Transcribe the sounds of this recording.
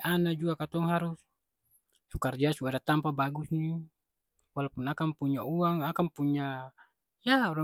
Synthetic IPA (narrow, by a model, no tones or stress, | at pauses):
ʔanad͡ʒuakat̪ɔŋɦaɾus | sukard͡ʒasuadat̪ampabaɡusni | walapunakampuɲauaŋakampuɲːa | jauɾa